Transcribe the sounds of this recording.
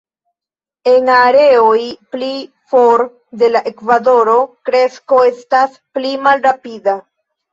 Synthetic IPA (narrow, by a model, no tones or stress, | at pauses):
e̞ŋaɾe̞ojpli | foɾ | de̞laʔe̞kvado̞ɾo̞kɾe̞sko̞e̞stas | plimalɾapida